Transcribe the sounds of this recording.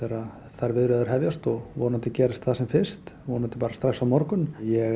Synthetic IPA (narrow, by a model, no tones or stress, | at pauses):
θɛːɾa | θaɾvɪðɾɛðʏɾ̥ɦɛvjast̪ɔɣvɔːnant̪ɪcɛːɾɪst̪θasɛmfɪr̥st̪vɔːnant̪ɪpaːɾast̪ɾaxsawmɔɾkʏnjɛɣ